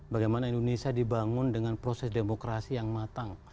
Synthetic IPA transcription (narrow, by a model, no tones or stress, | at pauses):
baɡajmanaindonesiadibaŋʊndəŋanpɾosɛsdemokɾasijaŋmat̪aŋ